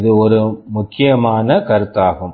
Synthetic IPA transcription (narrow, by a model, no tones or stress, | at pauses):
ðɯɔɾɯmʊkːɪjɐmaːnɐkɐɾɯt̪ːaːɣɯm